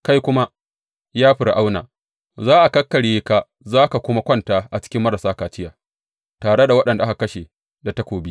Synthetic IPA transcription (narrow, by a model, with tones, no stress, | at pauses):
ka˦jkʷʊ˦ma˦ | jaː˦ɸɪ˨rʔa˦wna̰ː˨ | zaː˦ʔa˨kɐ˦kːɐ˨ɽjeː˦ka˦ | zaː˦ka˨kʷʊ˦ma˦kʷɔ˦˨ntaː˨ʔa˨t͡ʃɪ̥˦kʲɪ˦mːɐ˦ɾa˨saː˦kaː˨t͡ʃɪ˦jaː˨ | taː˨ɽe˦da˨wɐ˦ɗɐ˨nda˨ʔa˦ka˨kɐ˦ʃe˨ | da˨tɐ˦kʷoː˨bi˦